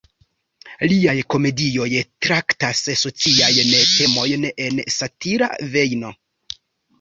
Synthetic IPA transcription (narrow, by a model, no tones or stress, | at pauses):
liajko̞me̞dio̞jtɾaktasso̞t͡siajnte̞mo̞jne̞nsatiɾa̰ve̞jno̞